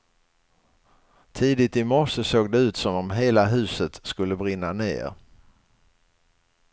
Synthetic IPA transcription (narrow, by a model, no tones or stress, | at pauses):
t̪ʰiːd̪ɪt̪ɪmɔʂəsoːɡ̚d̪ɛʉ̟ːt̪sɔmɔmɦeːlaɦʉ̟ːsət̪skɵlːəbɾɪnːanḛːɾ